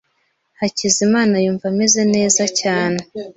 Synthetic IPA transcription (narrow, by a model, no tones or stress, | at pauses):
hacizimaːnajuːɱvame̞ze̞ne̞ːzacaːne̞